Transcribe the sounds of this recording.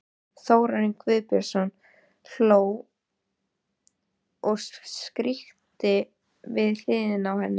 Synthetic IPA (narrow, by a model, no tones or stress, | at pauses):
θoːwɾaɾiŋkvɪðpɛɾ̥sɔn | l̥oːw | ɔɣsskɾiht̪ɪ | vɪðl̥ɪːðɪnawhɛnːɪ